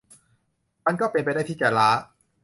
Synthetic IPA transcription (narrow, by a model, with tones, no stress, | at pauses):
ma˧nkɔː˥˩pe˧npa˧jdaː˥˩j̪t̪ʰiː˥˩t͡ɕaː˧˩laː˦˥